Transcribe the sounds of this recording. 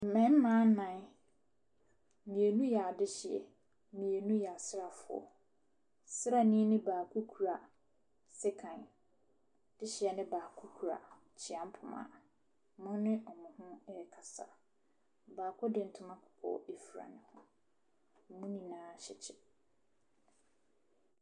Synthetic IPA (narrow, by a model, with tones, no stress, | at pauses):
m̩˨mɛ̃˨˦m̩˦mã˦nã˨˦n˦˨ | mĩ˨e˨nũ˦jɛ˨a˨dɪ˦ɕɪ˨ɛ̰˨ | mĩ˨e˨nũ˦jɛ˨a˨sɪ˦ɾa˨fʊ˨ɔ̰˨ | sɪ˦ɾa˦nĩ˦nɪ̃˦baː˨kʰu˦kʰu˨ɾa˨ | sɪ˦kʰã˨n | d̥ɪ˦ɕɪ˨ɛ˨nɪ̃˦baː˨kʰu˦kʰu˨ɾa̰˨ | t͡ɕʰɪ˨ã˦m˦pʰʊ˨mã̰˨ | mʊ̃˦nɪ̃˦ʔɔ˨mʊ̃˨hʊ̃˦ɛ˦˨kʰa˨sa̰˨ | baː˨kʰɔ˦dɪ̃˨n̩˨tʰʊ˨˦mã˦kʰʊ̥˨kʰɔ̰ː˦˨e˦fu˨ɾa̰˨nɪ̃˨hʊ̃˦˨ | mũ˦nĩ˨nãː˦ɕɪ˨t͡ɕʰɪ˨